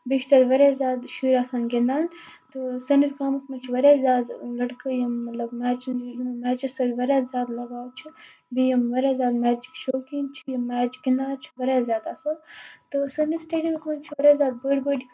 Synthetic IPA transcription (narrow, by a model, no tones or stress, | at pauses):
biʃt̪ɐɾʋɐɾaːzʲaːd̪ʃuːɾaːsaːnɡind̪aːnt̪ɨsɐnisɡaːmɐsmɐt͡ʃʰʋɐɾaːzʲjaːd̪lɐʈkəjɐmːɐt̪lɐbmaːt͡ʃjinmaːt͡ʃisɐlʲʋɐɾaːzʲjaːd̪lɐɡaːwt͡ʃʰi | bijɐmʋɐɾaːzʲjaːd̪mæːt͡ʃikʃoːkint͡ʃʰijɐmːaːt͡ʃɡind̪aːt͡ʃʰi̥ʋɐɾaːzʲjaːd̪aːsɐːt̪ɨsɐnisʈeːɖijəmsmɐnt͡ʃʰʋɐɾaːzʲjaːd̪̚bəɖbəɖʲi